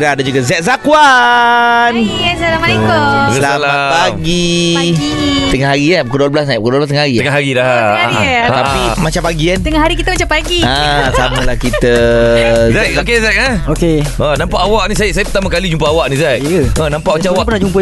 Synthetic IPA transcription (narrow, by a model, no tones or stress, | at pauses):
dadad͡ʒuɡazɛt̪̚zakwa | njɛsalaməɾekoslalpaɡi | t̪əŋaɦaɾiabukəduablasnajapukəduablast̪əŋahɦaɾiəŋaɦaɾidah̪ | apimat͡ʃampaɡikant̪əŋaɦaɾikit̪əmat͡ʃampaɡiasamalahkit̪ə | zɛokezɛk̚əokeənãmpaʔawaʔnĩsajsajapət̪amakalid͡ʒumpəawaʔnizɛʔ̚ənãmpaʔmat͡ʃamawaʔpənad͡ʒumpə